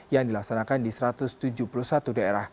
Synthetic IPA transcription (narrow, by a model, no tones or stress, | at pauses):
jaŋdilaksanakandisɾat̪ʊst̪ud͡ʒuhpuluhsat̪udaeɾah